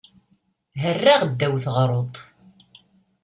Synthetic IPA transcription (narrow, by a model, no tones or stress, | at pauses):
ɦərːaʁd̪ːæwθʁɾˤot̪ˤ